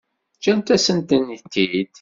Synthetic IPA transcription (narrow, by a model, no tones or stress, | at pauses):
t͡ʃːænt̪æsənt̪ənit̪ːid̪